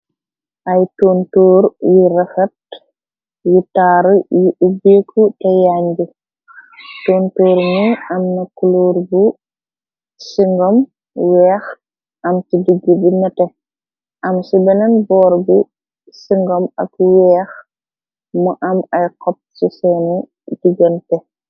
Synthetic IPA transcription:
ʔɐjtoːntoːɾjiɾɐfɐt̚ | jitaːɾjiʔubeːkʰːutɐjaɲd͡ʒu | toːntoːɾmujɐmnɐkuloːɾbu | siŋɡɔm | wɛːx | ʔɐmt͡ʃidiɡːibinɐtɛ | ʔɐmsubɛnɐnbɔːɾbu | siŋɡɔmɐ̰kwɛːx | mɔʔɐmɐjqɔp̚sisɛnɛ | diɡɐntɛ

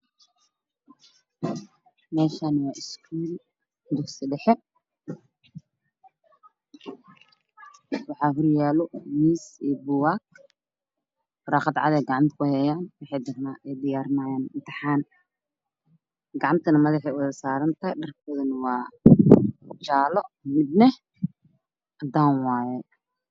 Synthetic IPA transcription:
mɛːʃaːnwɑːʔɪskʰuːl | md̪ʊħsɪɖɛħɛ | wɑħɑːɦʊrjaːlɔmiːsiːbʊwaːk | rɑːqɑd̪ʕɑ̰ðɛːɡɑʕɑmt̪ʰkʰʊhɛjaːnwɑħɛjd̪ɐrnaːʔɛjd̪ɪjaːrnaːjaːnɪnt̪ʰɐħaːn | ɡɑʕɑmt̪ʰɐnɐmɐðɐħɛʊðɐsaːɾɐnt̪ʰɐɦɛɖɐrk̚ɔðɐnwɑː | t͡ʃaːlɔmɪd̪nɛ | ʔɐd̪aːnwɑːjɛ

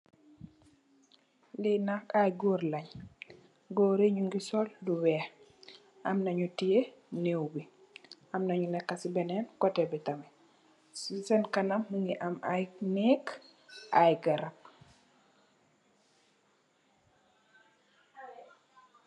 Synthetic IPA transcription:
linakajɡɔːrlɐɲ | ɡɔːɾeɲuŋɡisɔlduwɛh | ʔɐmnɐɲutije | newbi | ɐmnɐɲulɛkːɐsibɛnɛnkɔtɛbɛtɐmɛ | sɛnkɐnɐmːəŋɡiʔɐmajnɛk | ʔajɡɐɾɐp̚

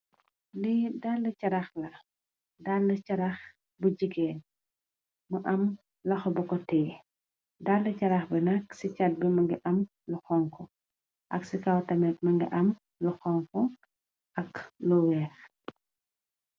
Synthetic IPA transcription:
lidalːɐcɐɾɐxlɐ | dalːɐt͡ʃɐɾɐx | buɟiɡɛːn | mɐʔɐm | lɐxɔbɔkɔtɛː | dalːɐcɐɾɐxbɛnɐksit͡ʃɐt̚bimɐŋɡiʔɐm | luxɔŋkɔ | ʔɐksikawtɐmɛt̚mɐŋɡḭʔɐm | luxɔŋkɔ | ɐkluwɛːx

